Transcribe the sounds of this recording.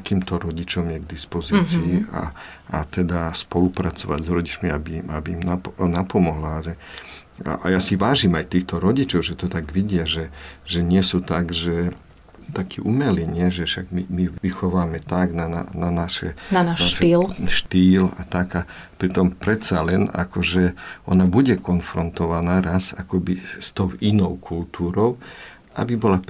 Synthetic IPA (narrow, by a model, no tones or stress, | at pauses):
akiːmt̪ɔɾɔɟit͡ʃɔmjɛɡd̪ispɔziːt͡siːa̰ː | t̪ɛd̪aspɔlupɾat͡sɔʋa̰ɟzɾɔɟit͡ʃmiabimabiːmnapɔnapɔmɔɦlaaʒɛ̰ | ʔa̰jasiʋaːʒimajt̪iːxt̪ɔɾɔɟit͡ʃɔʊʒɛt̪ɔt̪aɡʋiɟɪaʒɛʒɛɲɪɛsut̪aɡʒɛ | t̪akʰiʔumɛliɲɪɛʒɛʃaɡmimiʋixɔʋaːmɛt̪aɡnana̰nanaʃɛ̰nanaʃnaʃiːlʃt̪iːla̰t̪aɡa | pɾit̪ɔmpɾɛt̪salɛna̰kɔʒɛɔ̰nabuɟɛkɔnfɾɔnt̪ɔʋanaːɾasa̰kɔbist̪ɔʊinɔʊkʰult̪uːɾɔʊ | ʔa̰bibɔla